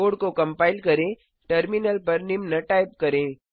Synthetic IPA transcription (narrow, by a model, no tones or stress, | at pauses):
oːɽkokɐ̃mpaːɪlkɐɾẽ | ʈɐɾmɪnəlpɐɾnɪmnəʈaːɪp̚kɐɾẽː